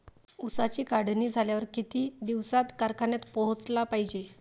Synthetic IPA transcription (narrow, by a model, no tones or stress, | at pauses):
usat͡ɕiːkaɽniːd͡zʱaljaʋəɾkit̪iːd̪iʋsat̪kaɾkʰanjat̪pɔɦt͡slapaɦid͡ʑe